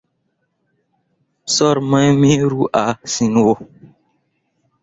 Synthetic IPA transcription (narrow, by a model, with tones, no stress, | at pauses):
sɔ˦ɾmã˦jmĩ˦ɾu˦ʔa˨si˨n˦wo˦